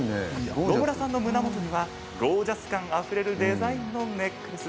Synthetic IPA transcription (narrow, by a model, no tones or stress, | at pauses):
nnobɯ̟ɾasãnːo̞mɯ̟namo̞t̪o̞ɲ̟iβa | ɡo̞ːʑasɨ̥kãŋ̃aɸɯ̟ɾe̞ɾɯ̟d̪e̞zaĩnːo̞ne̞kːɯɯsɨ